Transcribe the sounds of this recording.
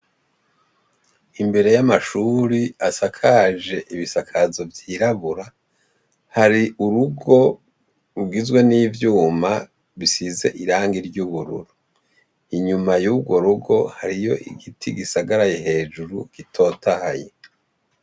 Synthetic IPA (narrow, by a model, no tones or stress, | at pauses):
imbe̞ɾe̞jamaʃuːɾiasakʰad͡ʒe̞ʔiβisakʰazo̞vjiːɾaβuɾa | haɾiʔuɾuɡo̞ | ɾuɡizɡwe̞niːvjuːma | βisize̞̰ʔiɾaːŋɡiɾɟuβuɾṵɾu | iɲumajuːbɡwo̞ɾuɡo̞haɾijo̞ʔḭɡitʰiɡisaɡaɾajeɦe̞ːd͡ʒuɾuɡ̥itʰo̞ːtahaje